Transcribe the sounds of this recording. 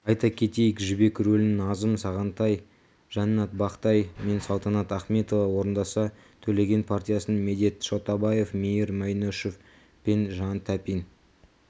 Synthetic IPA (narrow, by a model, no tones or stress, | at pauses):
ɑjt̪ɑkʲʰet̪e̞jɪkʒɪbe̞kʲɾɵlnɪnɑzəmsɑʁɑnt̪ɑj | ʒ̥ɑnːɑt̪̚bɑqt̪ɑjme̞nsɑlˠt̪ɑnɑt̪ɑχme̞t̪o̞vɑwo̞ɾənd̪ɑsɑ | t̪ʰɵle̞ɡʲe̞npʰart̪ʲijasnme̞d̪e̞t̪ʃot̪ɑbɑje̞fmejɪɾmɑjnoʃof | pe̞nʒɑnt̪ʰæpin